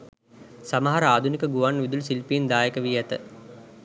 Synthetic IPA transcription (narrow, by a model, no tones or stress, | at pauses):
saməɦaɾəaːd̪ʱunikəɡuʋanːʋid̪ulsilpiːnd̪aːjəkəʋijɛt̪ə̰